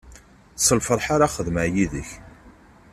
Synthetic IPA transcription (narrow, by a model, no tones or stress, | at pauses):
səlfəɾˤħaɾaχəðməʕjiðəç